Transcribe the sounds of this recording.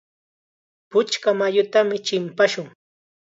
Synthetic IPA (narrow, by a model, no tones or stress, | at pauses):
pʊt͡ʃkamajʊt̪amɪt͡ʃɪmpaʃʊŋ